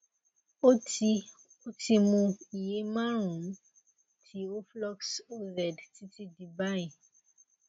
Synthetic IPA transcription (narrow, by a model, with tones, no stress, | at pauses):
o˦ti˧ | o˦ti˧mũ˧i˨je˨˦mã˦ɾ̃ũ˨˦m̩˦ | tʰi˦o˦flɔ˦kso˦zɛ˨dti˦ti˧di˧ba˦j̃ĩ˨